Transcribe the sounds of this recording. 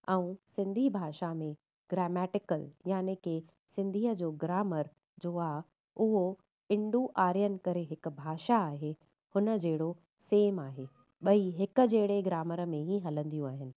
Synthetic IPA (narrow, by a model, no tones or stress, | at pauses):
ɛ̃ũsɪ̃nd̪ʱibʱaːʃamẽ | ɡ̥ɾɛːmɛːʈɪkəljaːneke | sɪ̃nd̪ʱiːɦəd͡ʑoːɡɾaːməɾ | d͡ʑoːaː | ʊɦo | ɪ̃ɳɖuʔaːɾjənɪ̆kɐɾeɦɪkʊ̆bʱaːʃaːɦe | hʊnə̆d͡ʑeːɽo | seːmaːɦe | ɓɐiɦɪkə̆d͡ʑeːɽeɡɾaːməɾə̆mẽɦĩɦɐlə̃nd̪ijũaːɦɪnɪ̆